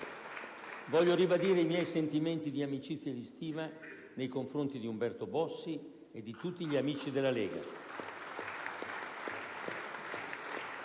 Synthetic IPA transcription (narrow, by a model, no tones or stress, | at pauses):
vɔʎːoɾibad̪iːɾeimjɛjsent̪iment̪id̪iamit͡ʃit̪sːjad̪ist̪iːva | nejkoɱfɾont̪id̪iumbɛrt̪obɔsːi | ed̪ːit̪ut̪ːiʎiamiːt͡ʃid̪elːaleːɡa̰